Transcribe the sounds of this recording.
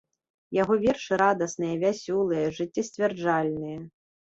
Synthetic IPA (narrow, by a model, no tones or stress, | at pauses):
jaɣɔvʲɛrʂɨɾad̪ɐsnɨjɛvʲasʲɔlˠɨjɛʐɨt͡sʲːɛsʲtʲvʲɛrd͡ʐalʲnɨjɛ